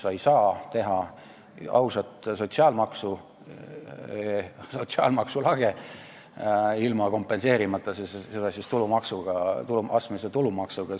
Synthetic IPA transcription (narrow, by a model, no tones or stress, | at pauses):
sɑjsɑːt̪e̞ɦɑ | ɑwsɑt̪so̞t̪siɑːlmɑksu | eso̞t̪siɑ̰ːlmɑksulɑɡ̥e | ilmɑko̞mpːˑe̞nse̞ːɾimɑt̪ːˑɑsessed̪̥ɑsʲist̪ulumɑksuɡ̥ɑt̪uluʔɑsmeset̪ulumɑksuɡ̥ɑ